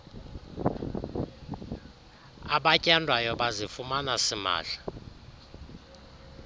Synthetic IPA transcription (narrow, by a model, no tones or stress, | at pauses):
aɓacʼɛndʱwajɔɓazifumanasima̰ːɬḁ